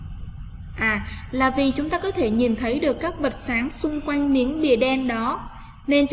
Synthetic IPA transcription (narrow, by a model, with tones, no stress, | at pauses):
ʔaː˨˩laː˨˩vi˨˩t͡ɕʊ˨˦ŋ͡mt̪aː˧kɔ˨˦t̪ʰe˧˩ɲi˨˩nt̪ʰə˨˦jɗɨ˨˩əkːaː˦˥k̚ɓə˨˩t̚saː˨˦ŋsʊ˧ŋ͡mkwa˧jŋ̟mi˨˦ənɓḭ˧˨əɗɛ˧nɗɔ˨˦ | ne˧nt͡ɕ